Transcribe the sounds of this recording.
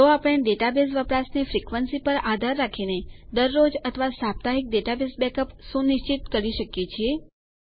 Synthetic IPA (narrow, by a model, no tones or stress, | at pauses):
t̪oapɽ̃ẽɖeʈabesʋəpɾasnefɾikʋənsipəɾad̪ʱaɾːakʰined̪əɾːod͡ʒət̪ʰəʋasap̚t̪aɦik̚ɖeʈabesbɛkəpʃũnɪʃt͡ʃit̪kəɾiʃəkjet͡ʃʰie